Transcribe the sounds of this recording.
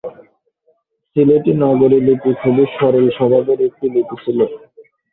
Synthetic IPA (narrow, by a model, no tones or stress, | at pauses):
sileʈinaɡoɾilipikʰobiʃɔɾeɾʃɔbʱab̪eɾek̚ʈilipit͡ɕʰilo